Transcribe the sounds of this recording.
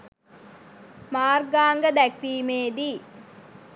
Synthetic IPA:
maːrɡaːŋɡɐd̪ækʋiːmeːd̪i

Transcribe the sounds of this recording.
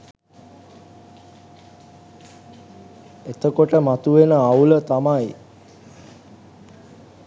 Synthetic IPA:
et̪əkoʈəmat̪uʋenəawlət̪amaj

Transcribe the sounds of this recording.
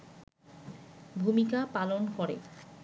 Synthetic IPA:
bʱumikapalonkoɾḛ

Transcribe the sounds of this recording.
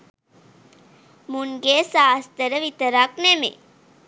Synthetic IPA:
muŋɡeːsaːst̪əɾəʋit̪əɾaknemḛ

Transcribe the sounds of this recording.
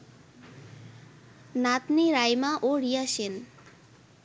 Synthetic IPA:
nat̪niɾajmaʔoɾijaʃen

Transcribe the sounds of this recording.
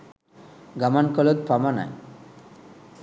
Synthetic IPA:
ɡamankɔlot̪̚pʰamana̰j

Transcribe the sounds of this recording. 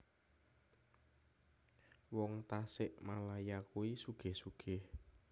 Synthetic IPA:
wɔŋt̪asɪʔmalajakuisuɡ̥e̤hsuɡ̥ɛh

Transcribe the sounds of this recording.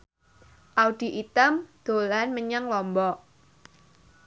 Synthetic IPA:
ʔauɖ̥i̤ʔit̪əmd̪̥o̤lanməɲaŋlɔmbɔʔ

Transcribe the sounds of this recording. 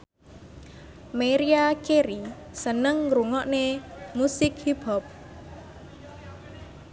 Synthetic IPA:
meɾiakeɾi | sənəŋɾuŋɔʔnemusɪkhipɔp̚

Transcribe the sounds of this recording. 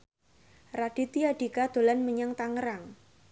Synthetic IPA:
rad̥i̤t̪iad̥ikad̪̥o̤lanməɲaŋt̪aŋəɾaŋ

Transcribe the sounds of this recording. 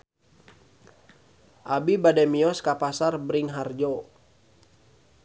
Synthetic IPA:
ʔabibadɛmiɔskapasarbɾiŋɦard͡ʒɔ

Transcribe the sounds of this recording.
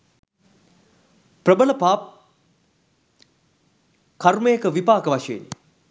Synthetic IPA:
prəbələpaːp̚ | karməjəkəʋipaːkəʋaʂeḛni

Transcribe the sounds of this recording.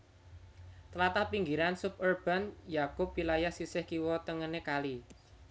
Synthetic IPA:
t̪əlat̪ahpiŋɡiɾansʊp̚urb̥a̤njakʊp̚wilajahsisɪhkiwɔt̪əŋənekali

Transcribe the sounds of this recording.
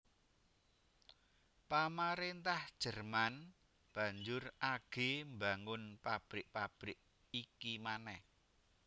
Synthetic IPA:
pamaɾent̪ahd̥ʒ̥ə̤rman | b̥ä̤ɲd͡ʒʊraɡ̥embaŋʊnpab̥ɾɪʔpab̥ɾɪʔ | ikimanɛh

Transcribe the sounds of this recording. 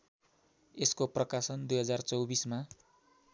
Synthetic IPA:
eskoprʌkasʌnd̪ujɦʌd͡zart͡sʌwbisma

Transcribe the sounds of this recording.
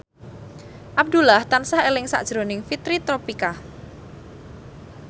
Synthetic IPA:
ʔab̚d̪ulaht̪ansahelɪŋsa̰ʔd̥ʒ̥ɾonɪŋfit̪ɾit̪ɾopika

